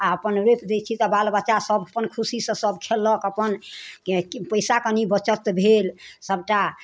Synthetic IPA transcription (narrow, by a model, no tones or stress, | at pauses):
aəpənɾepd̪et͡ʃʰit̪ɔbalbat͡ʃasəbəpənkʰusisə̃səbkʰelːəkəpən | pəjsakənibət͡ʃət̪bʱelsəbʈa